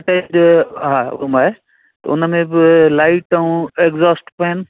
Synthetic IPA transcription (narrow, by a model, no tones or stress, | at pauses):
ʈed͡ʑɦa̰ːmaːɦe | t̪ɐʊ̰nəmẽbɪlaːɪʈːaũeɡzoːsʈpɐənɪ̆